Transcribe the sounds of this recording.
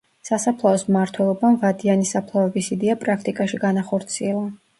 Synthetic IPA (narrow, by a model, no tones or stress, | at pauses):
sasapʰlˠaɔsmaɾt̪ʰwɛlˠɔbamvad̪ianisapʰlˠavɛbisid̪ɛapʼɾakʰt̪ʼikʼaʃiɡanaχɔɾt̪sʰiɛlˠa